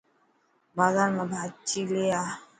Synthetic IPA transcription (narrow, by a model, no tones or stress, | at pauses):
bazaɾmabʱat͡ʃilea